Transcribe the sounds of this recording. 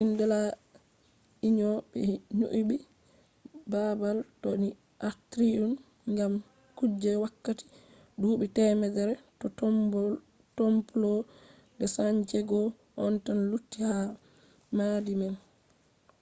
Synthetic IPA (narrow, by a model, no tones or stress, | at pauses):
ʔindɛla | iɲɔbɛ̰ɲo̰ʔibi | babaltoni | ʔatɾiɗun | ŋɡam | kud͡ʒːɛwakːati̥ | dubɛtɛmɛdɛɾɛtɔtɔmɔ | tomplɔ | dɛsaɲt͡ʃɛɡɔ | ʔɔntanlutːiha | madimɛn